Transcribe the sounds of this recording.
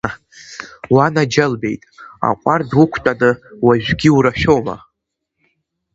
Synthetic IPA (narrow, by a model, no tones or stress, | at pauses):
wanad͡ʒalbe̞̰jtʼa̰qʷʼardukʷʰtʼanɨwaʒᶣɡʲiuɾaʃᶣowma̰